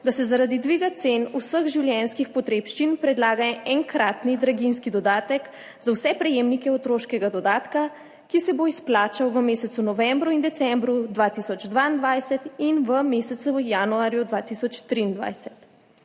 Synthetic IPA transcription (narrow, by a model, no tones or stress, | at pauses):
d̪asɛzaɾad̪id̪ʋiɡat̪senusəɣʒiwljɛnskixpɔt̪ɾeːpʃt͡ʃinpɾɛd̪laːɡajɛʔɛŋkɾaːt̪nid̪ɾaɡinskid̪ɔd̪aːt̪ək | zawsɛpɾɛjeːmnikɛɔt̪ɾoːʃkɛɡad̪ɔd̪aːt̪ka | kisɛboisplaːt͡ʃawʋəmeːsɛt̪sunɔʋɛmbɾuind̪ɛsɛmbɾud̪ʋat̪isɔd͡ʒd̪ʋaind̪ʋajsɛt̪inʋəmesɛt̪sujanuaɾjud̪ʋat̪isɔt͡ʃt̪ɾiːnd̪ʋa̰jsɛt̪